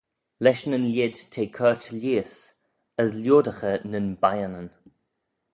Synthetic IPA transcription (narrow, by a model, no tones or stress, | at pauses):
lɛʃnənlʲjɪdtʰeːkʰɜɹtʰəljiːəs | əslʲjoːdəxənənbajənən